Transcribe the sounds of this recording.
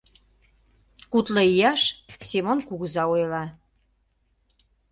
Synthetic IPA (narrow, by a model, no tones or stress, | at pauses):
kut̪lə̆ijɑʃsemonkuɣəzɑojlɑ